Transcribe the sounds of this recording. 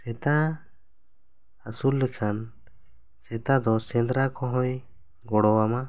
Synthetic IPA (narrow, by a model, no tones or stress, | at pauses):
sɛt̪a | asulːɛkʰan | sɛt̪ad̪ɔsɛ̃nd̪ɾakɔ̃ɦɔ̃j | ɡɔɽɔwama